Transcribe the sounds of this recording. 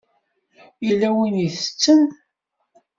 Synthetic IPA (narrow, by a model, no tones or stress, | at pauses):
jilːæwiniθə̥t͡sːən